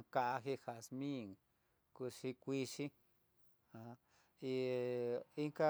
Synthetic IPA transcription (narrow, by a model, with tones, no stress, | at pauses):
ka˧ʔa˧ɦe˧ha˨smĩ˦˨ŋ | ku˧ʃi˧kʷi˦˧ʃi˦ | a˨˧ | i˧ | i˦ŋka˦